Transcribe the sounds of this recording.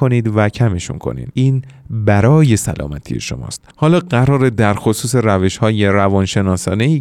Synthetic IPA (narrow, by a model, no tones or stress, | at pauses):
o̞niːd̪væcʰæme̞ʃṵnkʰo̰nḭːd̪̥ʔiːnbæɾɒːje̞sæ̰lʔɒ̰ːmæt̪ʰḭjḛʃo̞̰mɒ̰ːst̪hɒːlɒːɢæɾɒːɾe̞d̪æɾxosuːse̞ɾæve̞ʃhɒːje̞ɾævɒnʃe̞nɒːsɒːneiː